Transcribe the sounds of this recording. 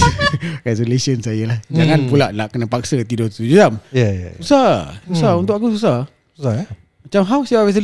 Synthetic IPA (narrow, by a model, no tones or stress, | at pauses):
ɡasulesiənsajəlahd͡ʒaŋanpulaʔlaʔkənapak̚sət̪idɔt̪ud͡ʒut̪amjaja̰usasusaunt̪ʊʔkakus̬usa | usa | mat͡ʃamɦawsiaɹɛs̬ə